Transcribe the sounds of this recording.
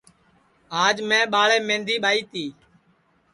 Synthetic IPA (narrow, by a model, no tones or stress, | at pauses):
aːd͡ʒmẽːɓaːɭeːmẽːnd̪ʱiːɓaːiːt̪iː